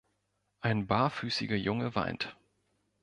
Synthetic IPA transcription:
ʔaɪnbaːfyːsɪɡɐjʊŋəva̰ɪnt

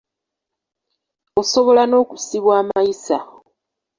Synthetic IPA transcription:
o̞so̞βo̞lano̞ːkusiβwaːmajisa

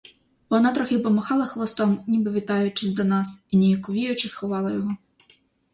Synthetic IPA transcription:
ʋɔnɑt̪ɾɔxʲɪpɔmɔxɑlˠɐxlˠɔst̪ɔmnʲibɪʋʲit̪ɑjʊt͡ʃɪzʲd̪ɔnɑsinʲijɐkʊʋʲijʊt͡ʃɪsxɔʋɑlˠɐjɔɦɔ

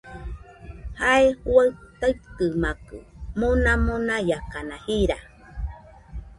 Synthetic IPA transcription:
haehwaɨt̪aɨkɨmakɨ̰mõnamõnajakanahiɾa

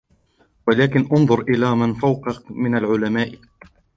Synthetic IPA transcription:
walaːkɪnʔɑnðˤʊɾʔɪlaːmanfawqɑmɪnalʕʊlamaːʔ

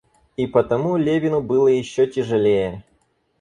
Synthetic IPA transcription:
ipət̪ɐmulʲevʲɪnʊbɨlˠəjɪɕːɔtʲɪʐɨlʲejə

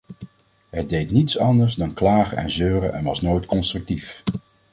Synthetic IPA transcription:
ɦədejtnitsɑndəɹzdɑnklaːχə̰ɛ̰nzøːrəʔɛ̰nʋɑsnojtkɔnstrɵk̚tif

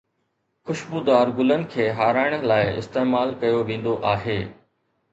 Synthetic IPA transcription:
xʊʃbuːd̪aːɾɡʊlən̆kʰeːɦaːɾaːɪɽ̃laːɪɪ̰st̪eːmaːlkɐjoʋẽːn̆d̪oʔaːɦeː

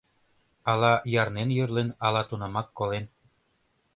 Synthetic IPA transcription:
ɑlɑjɑrnenjørlenɑlɑt̪unɑmɑkːolen

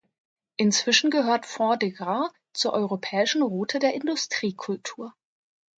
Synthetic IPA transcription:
ʔɪnt͡sv̥ɪʃn̩ɡəɦøːɐtfɔɐdeɡa | t͡suːɐʔɔʏʁopʰɛːɪʃn̩ʁuːtʰədeːɐʔɪndʊstʁ̥iːkʰʊltʰuːɐ

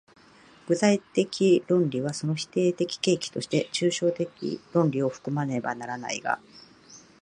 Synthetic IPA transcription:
ɡ̥ɯ̟tait̪e̞kʲʰiɾõ̞nɾʲiβaso̞no̞çi̥t̪e̞ːt̪e̞kʲi̥ke̞ːkʲi̥t̪o̞ɕi̥t̪e̞t͡ɕɨːɕo̞ːt̪e̞kʲḭɾõ̞ɲɾʲio̞ɸɯ̥kɯ̟mane̞ba̰naɾana̰iɡa̰

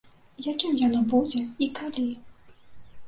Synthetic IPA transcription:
jakʲimjanɔbud͡zʲɛikalʲi

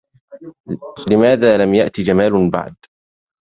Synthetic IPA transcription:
lɪmaːðaːlamjaʔt̪id͡ʒamaːlba̰ʕd̪

